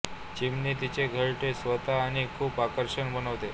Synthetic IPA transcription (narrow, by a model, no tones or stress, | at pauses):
t͡ɕimniːt̪it͡ɕeɡʱəɭʈesʋət̪aːɽ̃ikʰuːpakəɾɕəɳbənəʋt̪e